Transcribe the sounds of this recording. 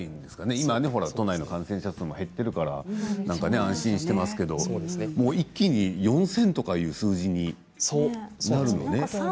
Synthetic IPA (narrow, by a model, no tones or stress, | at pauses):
ĩnd̪e̞sɨ̥kane̞imane̞ɦo̞ɾat̪o̞naino̞kãɰ̃sẽɕat͡sɨ̃mohe̞t̪ːe̞ɾɯ̟kaɾa̰nãŋkane̞ãɕĩɰ̃ɕi̥t̪e̞masɨ̥ke̞d̪o̞oemo̞ːikʲːiɲ̟ijõ̞ɰ̃sẽ̞nt̪o̞kajɯ̟ːsɨːʑiɲ̟i | sonaɾɯ̟no̞̰ne̞